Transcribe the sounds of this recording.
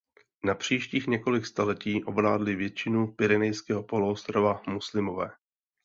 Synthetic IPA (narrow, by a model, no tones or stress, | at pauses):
napr̝̥iːʃciːxɲɛko̞lɪkst̪alɛciːʔo̞blaːdlɪvjɛt͡ʃɪnupɪɾɛnɛjskɛːɦo̞po̞luost̪ɾavamuslɪmo̞vɛː